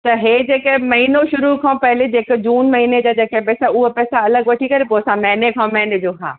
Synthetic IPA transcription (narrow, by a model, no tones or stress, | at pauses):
t̪ɐɦeːd͡ʑeːkemɐɦinoʃʊɾukʰãːpɐɦɪled͡ʑeːkd͡ʑuːnmɐɦiːned͡ʑaːd͡ʑeːkepɛːsaʊɦopɛːsaɐləɡʋɐʈʰikɐɾepoɐsãmɛ̃ːnekʰãːmɛɦned͡ʑoːkʰã̰ː